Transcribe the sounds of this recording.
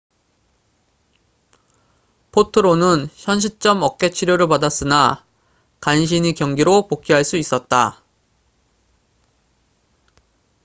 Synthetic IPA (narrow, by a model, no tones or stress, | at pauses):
pʰotʰɯɾonɯnçjʌnɕʰip̚t͡ɕ͈ʌmʌk̚k͈e̞t͡ɕʰiɾjoɾɯɭpadas͈ɯna | kanɕ̬ʰinikjʌŋɡiɾopok͈ʰiɦaɭs͈uis͈ʌt̚t͈a